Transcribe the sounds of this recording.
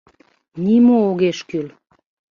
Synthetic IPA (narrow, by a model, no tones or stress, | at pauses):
nimooɣeʃkyl